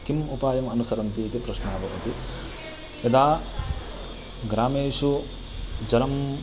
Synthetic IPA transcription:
kimupaːjɐmɐnusɐɾɐnt̪iːt̪ipɾɐʃnaːbʱɐʋɐt̪i | ed̪aː | ɡɾaːmeːʂu | d͡ʒɐnɐm

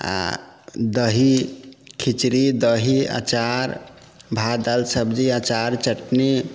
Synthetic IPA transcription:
a̰d̪əɦikʰit͡ʃɾid̪əɦia̰t͡ʃaɾ | bʱad̪alsəbd͡ʒiat͡ʃaɾt͡ʃəʈne

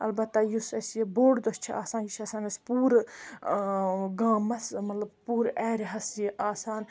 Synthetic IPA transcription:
ɐlbɐt̪ːɐjusɐsjiboːɖd̪ost͡ʃʰiʔa̰ːsaːnjiʃaːsaːnɐspuːɾ | ɡaːmɐsmɐt̪lɐbpuːɾɛːɾʲɦɐsjiʔaːsaːn

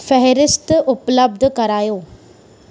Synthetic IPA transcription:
fɛɦɾɪst̪ʔʊpləb̚d̪ʱəkɐɾaːjoː

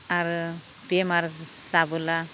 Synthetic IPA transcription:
aɾɯ | bemaɾsabɯla

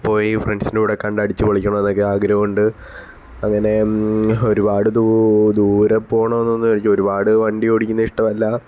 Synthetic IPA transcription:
pːo̞ːjifreɳsinuʋɽekɐɳɖaːɽit͡ɕːɨpɐɭikʲːuɳɐmenːokːeaːɡɾɐʋuɳɖɨ | ɐŋːɐne̞o̞ɾubaːɽɨd̪ud̪uːɾɐpːo̞ːɳɐmenːo̞nːɨkɐɭit͡ɕːoɾubaːɽɨʋɐɳɖioɽikʲːunːɐiʂʈɐmɐlːɐ

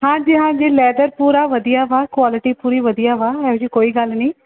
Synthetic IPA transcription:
ɦãːd͡ʒiːɦãːd͡ʒiːlɛːd̪əɾpuːɾaːʋəd̪ijaʋaːkwaːlɪʈiːpuːɾiːʋəd̪ijaːʋaːɛʊd͡ʒiːkoːiːɡɐlnĩː

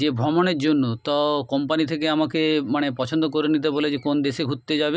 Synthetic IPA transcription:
ebʱɾɔmoneɾd͡ʑonːut̪ɔkɔmpanit̪ʰekeamakemanepɔt͡ɕʰond̪okoɾenit̪̬eboled͡ʑekond̪eʃeɡʱut̪ːed͡ʑabe

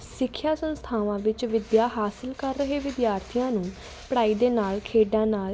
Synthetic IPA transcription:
sɪkʰːjaːsə̃nst̪ʰaːʋãːʋɪt͡ʃʋɪd̪jaːɦaːsɪlkəɾːəɦeːʋɪd̪jaːɾt̪ʰijãːnũː | pəɽaːiːd̪eːnaːlkʰeːɖãːnaːl

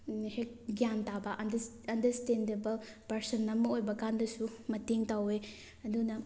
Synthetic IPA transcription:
hek̚ɡjantabɐʔɐ | ɐndɐɾstendebɐl | pɐɾsɐnːɐmɐojbɐkandɐsumɐteŋtawe | ɐdunɐ

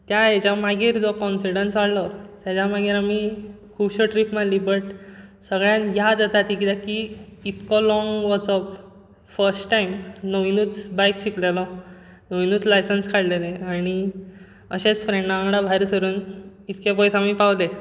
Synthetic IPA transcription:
t̪jajet͡ɕamaɡiːɾd͡zɔkɔnfiɽənsʋaɽlɔt̪jat͡ɕamaɡiːɾami | kʰuːbɕəʈɾipm̤anliːbəʈsəɡɭjãnjad̪at̪at̪ikit̪ãkiːt̪kɔlɔŋɡʋɔt͡sɔp | fəɾsʈʈajmnoʋinuːt͡sbajkɕiklelɔ | noʋinuːt͡slajsənskʰaɽleleaɽ̃i | əɕet͡sfɾeɳɖaãŋɡɽabʱaɾisəɾuːn | it̪kepɔjsãmiːpawle

